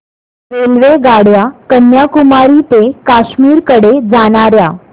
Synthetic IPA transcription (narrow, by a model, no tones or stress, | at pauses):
ʋelʋeɡaɽjakənjakumaɾit̪ekaɕmiːɾkəɽed͡zaɽ̃aɾja